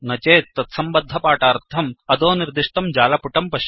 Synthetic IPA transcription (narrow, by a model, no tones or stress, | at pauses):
nɐt͡ʃeːt̪ːɐt̪sɐmbɐd̪ʱːɐpaːʈaːɾt̪ʰɐmɐd̪oːniɾd̪iʂʈ̪ɐmd͡ʒaːlɐpuʈɐmpɐʃ